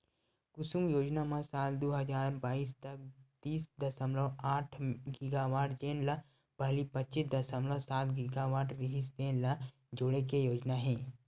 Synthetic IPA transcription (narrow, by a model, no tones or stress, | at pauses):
kʊsũmjoːd͡ʒnamãsaːld̪oːɦɐzaːɾbaːiːst̪ɐk̚t̪iːsd̪ɐsəmlɔaːʈʰɡɪɡaːʋaːʈd͡ʒeːnla | b̥ɐɦlipɐtːʃɪsd̪ɐsəmlasaːt̪ɡɪɡaʋaːʈɾɪɦɪsd͡ʒeːnla | d͡ʒoɽekejoːd͡ʒnaɦɛ̃ː